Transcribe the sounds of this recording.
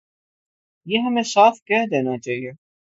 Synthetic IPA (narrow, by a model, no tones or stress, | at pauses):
jeːɦɐmẽʃaːfkɛɦd̪eːnat͡ʃaːɦie